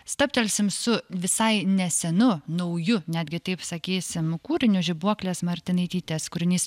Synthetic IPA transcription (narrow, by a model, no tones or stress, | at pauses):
st̪ɐpʲt̪ʲɛlʲsʲɪmsʊʋʲɪsɐɪnʲɛsʲɛnʊnɐʊjʊnʲæːd̪ʲɡʲɪt̪ɐɪpsɐkʲiːsʲɪmkuːɾʲɪnʲʊʒʲɪbuɔklʲeːsmɐɾʲt̪ʲɪnɐɪt̪ʲiːt̪ʲeːskʊɾʲɪnʲiːs